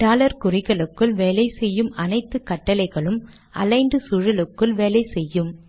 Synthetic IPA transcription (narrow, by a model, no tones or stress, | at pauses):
ɖaːlɐɾkʊrɪɣɐɭɯkːɯlʋeːlɐɪsɛjːɯmɐnɐɪt̪ːɯkːɐʈːɐlɐɪɣɐɭɯm | ʔɐlɐɪnɖɯsʊɻɐlɯkːɯlʋeːlɐɪsɛjːɯm